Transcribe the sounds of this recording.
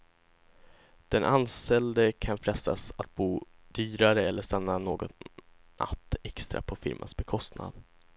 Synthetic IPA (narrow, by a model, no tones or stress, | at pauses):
d̪̥ɛnʔanst̪ɛld̪əkʰanfɾɛst̪asat̪̚buːd̪yːɾaɾəɛlːəʂt̪anːanoːɡɔ | a̰t̪ːɛkst̪ɾa̰pʰɔfɪ̰ɾmʔa̰nsbɛkʰɔst̪na̰d̪